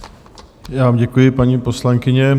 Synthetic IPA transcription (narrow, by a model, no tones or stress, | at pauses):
jaːvamɟɛkujɪpaɲiːpo̞slaŋkɪɲɛ